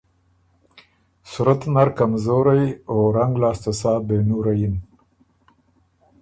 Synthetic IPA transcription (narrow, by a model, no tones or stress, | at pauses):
suɾat̪naɾkamzoːɾajoɾaŋɡlɑːst̪asɑːbenuɾajin